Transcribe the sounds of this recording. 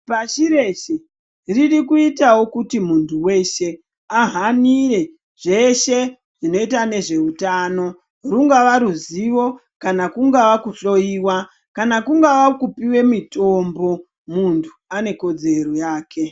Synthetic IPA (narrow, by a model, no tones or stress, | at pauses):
paʃiɾe̞ʃe | ririkuitawo̞kutimuntʰuwe̞ʃe̞ | aɦanire̞ | ʐe̞ʃe̞ | ʐ̥ino̞itane̞ʐe̞utano̞ | ruŋɡaʋaɾuziʋo̞ | kanakuŋɡaʋakuɬo̞iwa | kanakuŋɡaʋakupiwe̞mito̞mbo̞ | muntʰuane̞ko̞d͡ze̞ɾojaːkʰe̞